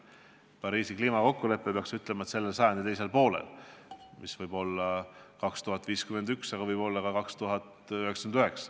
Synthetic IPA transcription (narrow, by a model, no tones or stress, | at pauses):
pɑɾiːsikliːmɑko̞kːule̞pːˑepe̞ɑksyt̪ˑle̞mɑet̪se̞lːelsɑjɑnd̪it̪ejs̬e̞lpo̞ːlḛlmisvɤjbo̞lːɑkɑkst̪uɦɑt̪ːˑviːskymend̪yksɑɡ̥ɑvɤjb̥o̞lːɑkɑkɑkst̪uɦɑt̪ | yheksɑ̥mnyhe̞ksɑ̥